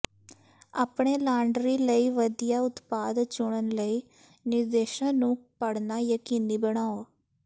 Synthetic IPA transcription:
aːpɳ̃eːlaːɳɖɾiːləiːʋəd̪ijaːʊt̪paːd̪t͡ʃʊɳ̃ənləiː | nɪɾd̪eːʃãːnũːpəɽnaːjəkiːniːbəɽ̃aːoː

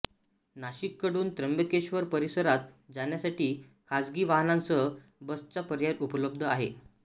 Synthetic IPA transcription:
naɕikːəɽuːnt̪ɾəmbəkeɕʋəɾpəɾisəɾat̪̚d͡zaɳjasaʈiːkʰad͡zɡiːʋaɦnant͡sə | bəst͡sapəɾjaɾupələb̚d̪ʱəaɦe

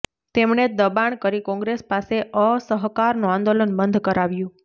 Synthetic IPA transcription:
t̪emɳed̪əbaɳkəɾikɔ̃ŋɡɾespaseʔəsəɦkaɾnũãnd̪olənbənd̪ʱkəɾaʋjũ

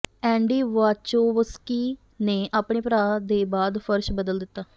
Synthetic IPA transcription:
ɛ̃ːɳɖiːʋaːt͡ʃoːʋəskiː | neːʔaːpɳeːpɾaːd̪eːbaːd̪fʰəɾʃbəd̪əld̪ɪt̪ːaː

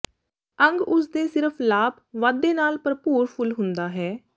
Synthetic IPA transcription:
ə̃ŋɡʊsd̪eːsɪɾəplaːb | ʋaːd̪ːeːnaːlpəɾpuːɾpʰʊlɦʊnd̪aːɦɛː

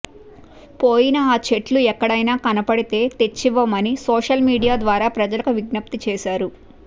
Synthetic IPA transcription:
poːjinɐaːt͡ʃe̞ʈluɛkːɐɽɐjnaːkɐnɐpɐɽit̪e̞ːt̪et͡ʃːiʋɐmɐnisɔːʂɐlmiːɽijaːd̪ʋaːɾaːpɾɐd͡ʒɐlɐkuʋiɡnɐp̚t̪it͡ʃɛːʃaːɾu

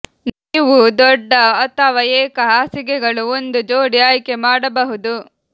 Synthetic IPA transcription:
niːʋud̪ɔɖːɐɐt̪ɐʋɐjeːkɐɦaːsiɡɛɡɐɭuond̪ud͡ʒoːɽijaːjkemaːɽɐbɐɦud̪u

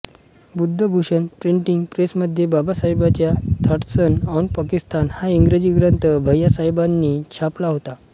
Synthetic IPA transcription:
bud̪ʱːəbʱuɕənpɾiɳʈiŋɡpɾesməd̪ʱːjebabasaɦjbat͡ɕjat̪ʰaʈsənɔnpakist̪anhaiŋɡɾed͡ʑiːɡɾənt̪əbʱəjːasajbanːiːt͡ɕʰaplaɦot̪a

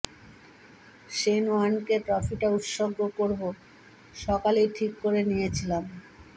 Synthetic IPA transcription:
ʃenuankeʈɾɔfiʈaut̪ʃoɡːokoɾbo | ʃɔkalejʈʰikːoɾenijet͡ɕʰilam

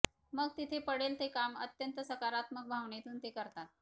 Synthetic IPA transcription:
məɡt̪it̪ʰepəɽelt̪ekamət̪jənt̪əsəkaɾat̪mək̚bʱaʋɳet̪uːnt̪ekəɾt̪at̪̚

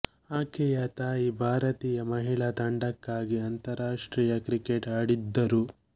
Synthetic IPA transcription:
aːkɛjat̪aːiːbʱaːɾɐt̪iːjɐmɐɦiɭɐt̪ɐɳɖɐkːaːɡiɐnt̪ɐɾaːʂʈɾiːjɐkɾikeʈaːɽid̪ːɐɾu

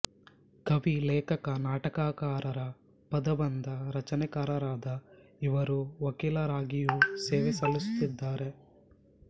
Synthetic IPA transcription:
kɐʋilɛːkɐkɐnaːʈɐkaːkaːɾɐɾɐ | pɐd̪ɐbɐnd̪ɐɾɐt͡ʃɐnɛkaːɾɐɾaːd̪ɐiʋɐɾuʋɐkiːlɐɾaːɡijuseːʋɛsɐlisu̥t̪id̪ːaːɾe̞

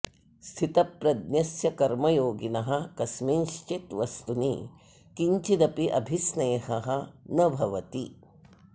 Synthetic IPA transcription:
st̪ʰit̪ɐpɾɐd̪njɐsjɐkɐɾmɐjoːɡinɐɦɐkɐsmenʃt͡ʃet̪ʋɐst̪unḭ | kiɲt͡ʃid̪ɐpiʔɐbʱisnɐjɐɦɐɦɐnɐbʱɐʋɐt̪i

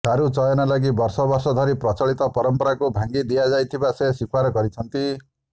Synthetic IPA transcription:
d̪ʱaɾut͡ʃɔjɔnalaɡibɔɾsɔbɔɾsɔd̪ʱɔɾipɾɔt͡ʃɔɭit̪ɔpɔɾɔmpɔɾakubʱaŋɡid̪ijad͡ʒajt̪ʰibasesikʰwaɾɔɡɔɾit͡ʃʰʌnt̪i

